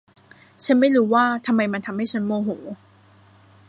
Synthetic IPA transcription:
t͡ɕʰa˦˥nma˥˩jɾuː˦˥waː˥˩t̪ʰa˧mːa˧jma˧nt̪ʰa˧mha˥˩jt͡ɕʰa˦˥nmoː˧ɦoː˩˦

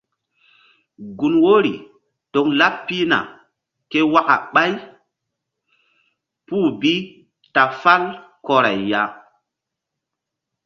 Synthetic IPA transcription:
ɡu˨nwo˦ɾi˨ | to˨kla˦pːi˦na̰˨ | ke˦wa˦ka̰˨ɓa˦j | puː˦˨bi˦ | ta˨fa˦lkɔ˨ɾa˨jːa˦

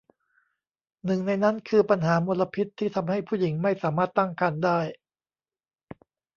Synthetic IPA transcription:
nɯ˨˩ŋna˧jna˦˥nkʰɯː˧pa˧nɦaː˩˦mo˧la˧pʰi˦˥t̪ʰːiː˥˩t̪ʰa˧mɦa˥˩jpʰuː˥˩ji˩˦ŋma˥˩jsaː˩˦maː˥˩t̪ːa˥˩ŋkaː˧ndaː˥˩j

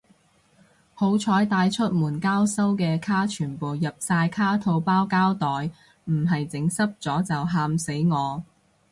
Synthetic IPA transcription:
ho˨˥wt͡ʃʰɔː˨˥jt̪aː˧jt͡ʃʰɵ˥t̚muː˨˩nkaː˥wsɐ˥wkɛː˧kʰaː˥t͡ʃʰyː˨˩npo˨wjɐ˨p̚saː˧jkʰaː˥t̪ʰo˧wpaː˥wkaː˥wt̪ɔː˨j | m̩˨˩ɦɐ˨jt͡sɪ˨˥ŋsɐ˥p̚t͡sɔː˨˥t͡sɐ˨wɦaː˧mse˨˥jŋɔː˨˧

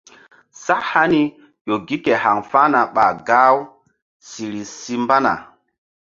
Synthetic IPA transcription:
sa˦ʔha˦ni˦ | jo˨ɡi˦ke˨ha˨ŋfa˦na˨ɓa˨ɡa˦w | si˨ɾi˨si˦mba˦na̰˨

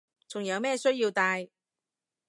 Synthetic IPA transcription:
t͡sʊ˨˩ŋjɐ˨˧wmɛː˥˧sɵ˥ɥjiː˧wt̪aː˧j

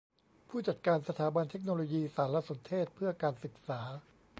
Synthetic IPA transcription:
pʰuː˥˩t͡ɕa˨˩t̪̚kaː˧nsa˧t̪ʰaː˩˦ba˧nt̪ʰe˦˥k̚noː˧loː˧jiː˧saː˩˦nla˦˥so˩˦nt̪ʰeː˥˩t̪̚pʰɯ˥˩ɐkaː˧nsɯ˨˩k̚saː˩˦

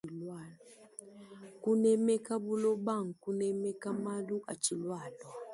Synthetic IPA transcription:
i˨lwa˨ | ku˦nɛ˦mɛ˦ka˦bu˦lɔ˦ba˦˨ŋ̩˨ku˦nɛ˦mɛ˦ka˦ma˦lu˦ʔa˨t͡ʃi˨lwa˨lwa˨

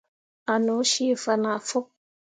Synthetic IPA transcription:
a˨no˨˦ʃi˦˨fə˨na˨fo˦k̚

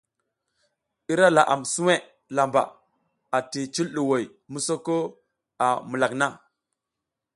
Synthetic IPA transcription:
i˦ɾa˦la˨ʔa̰˨msu˦we˦ | la˨mba̰˨ | a˨ti˨t͡ʃi˦lɗu˨wo˨j | mu˦so˦ko˦ | a˨mu˨la˨kna˦

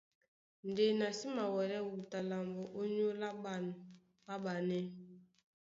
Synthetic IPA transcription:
n̩˨de˨na˨si˦ma˨wɛ˨ɾɛ˦wu˨ta˨la˨mbɔ˨ʔo˦ɲo˦la˦˨ | ba˦ɓa˨nɛ˦

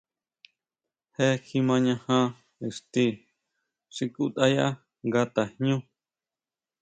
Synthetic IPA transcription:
he˦xi˧mã˧ɲã˧hã˦ | ɨ˨ʂt̪i˧˦ | ʂi˧ku˦t̪a˦ja̰˦ | ŋɡa˦t̪a˨hɲũ˦

